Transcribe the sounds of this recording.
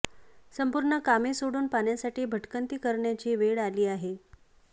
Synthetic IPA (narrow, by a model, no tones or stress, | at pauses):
səmpuɾɳəkamesoɽuːnpaɳjasaʈiːbʱəʈkənt̪iːkəɾɳjat͡ɕiːʋeɽaliːaɦe